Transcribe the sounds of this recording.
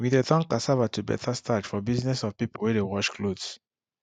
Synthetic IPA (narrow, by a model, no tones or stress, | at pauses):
widetɔ̃ŋkasavatubɛ̰tʰastʰad͡ʒfɔbiznɛsɔvpipowɛdewɔt͡ʃkʰlods